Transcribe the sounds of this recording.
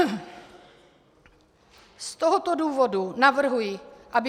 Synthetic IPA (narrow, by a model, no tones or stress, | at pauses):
st̪oɦot̪oduːvodunavr̩ɦujɪʔabɪ